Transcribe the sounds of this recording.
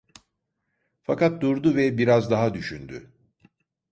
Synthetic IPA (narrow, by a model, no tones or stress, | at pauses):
fakat̪̚d̪uɾd̪uvɛbiɾazd̪aɦad̪yʃynd̪y̰